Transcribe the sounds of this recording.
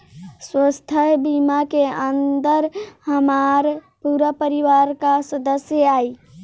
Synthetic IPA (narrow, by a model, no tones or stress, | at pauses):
swəst̪ʰəɦbimakeənd̪əɾhəmaɾpuɾəpəɾiʋaɾkasəd̪əsjəai